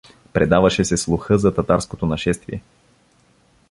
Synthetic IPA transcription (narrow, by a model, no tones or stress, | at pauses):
pɾɛd̪avɐʃɛsɛslˠʊxɤzɐt̪ɐt̪aɾskot̪onɐʃɛst̪vḭɛ